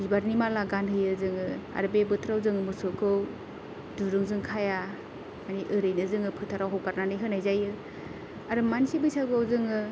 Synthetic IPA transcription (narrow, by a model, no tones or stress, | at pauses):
ibaɾnimalaɡanɦɯjɯzɯŋɯa̰ɾbebɯtʰɾawzɯŋɯmɯsɔkʰɯw | duɾɯŋzɯŋkʰaja | maniʔɯɾɯjnɯzɯŋɯpʰɯtʰaɾawɦɔwbaɾnanɯjɦɯnajzajɯ | aɾɯmansibɯjsaɡɯawzɯŋɯ